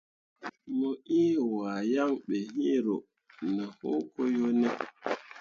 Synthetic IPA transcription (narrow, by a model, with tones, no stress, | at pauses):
mo˨ʔi˦˨wa˨ja˦ŋɓe˨ɦi˦ɾo˨ʔ | nə˨ho˦ko˦jo˦nɛ˦